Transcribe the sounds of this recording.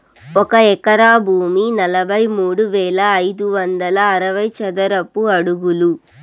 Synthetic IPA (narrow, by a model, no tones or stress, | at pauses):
ɔkɐɛkɐɾaːbʱuːminɐlɐbʱɐjmuːɽuʋɛːɭɐːjd̪uʋɐnd̪ɐlɐːɾɐʋɐjt͡ʃɐd̪ɐɾɐpːuɐɽuɡulu